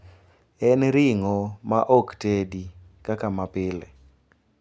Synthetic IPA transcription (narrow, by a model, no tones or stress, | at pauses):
ɛnɾɪŋɔmaʔoktedi | kakamapɪlɛ̰